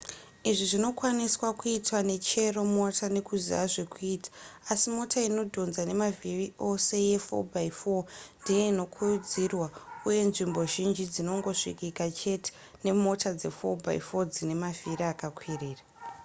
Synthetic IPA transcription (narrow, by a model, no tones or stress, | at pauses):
iʐiʐino̞kwaniswakuitwane̞t͡ʃe̞ro̞mo̞tʰane̞kuziaʐe̞kuiːtʰḁːsimo̞tʰaino̞dʱo̞nzane̞maviriʔo̞se̞je̞fo̞̰bʱaifo̞ndije̞ino̞kʰujud͡zirwauje̞nʐimbo̞ʒind͡ʒid͡zino̞ŋɡo̞ʂḭkikat͡ʃe̞te̥ | ne̞mo̞tad͡ze̞̰fo̞̰bʱa̰ḭfo̞d͡zine̞maviriakakwiriːra